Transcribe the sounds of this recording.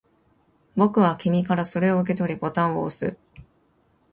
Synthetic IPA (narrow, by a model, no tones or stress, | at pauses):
bo̞kɯ̟βakʲimʲikaɾaso̞ɾe̞o̞ɯ̟k̬e̞t̪o̞ɾʲibo̞t̪ãɰ̃o̰ːsɨ̰